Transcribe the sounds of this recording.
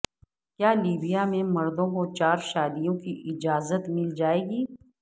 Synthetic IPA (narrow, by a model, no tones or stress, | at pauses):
kjaːliːbijamẽmɐɾd̪õkot͡ʃaːɾʃaːd̪ijõkiʔɪd͡ʒaːzət̪mɪld͡ʒaːeːɡiː